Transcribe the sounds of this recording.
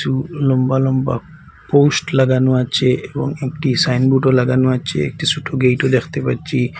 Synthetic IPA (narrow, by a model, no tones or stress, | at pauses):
sulɔmbalɔmba̰ | posʈlaɡanuat͡ʃʰeebɔ̰ŋek̚ʈisajnbuʈɔlaɡanuat͡ʃʰḛːk̚ʈisuʈʰoɡejʈɔd̪ekt̪epatːt͡ʃʰi